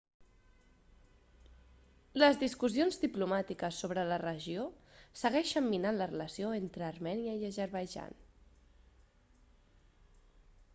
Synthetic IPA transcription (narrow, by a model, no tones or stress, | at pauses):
ləzðiskuzionzd̪iplumat̪ikəsːoβɾələrəʒiosəɣɛʃəmːinanlərələsioent̪ɾəːrmɛniəiəzəɾβəʒa̰n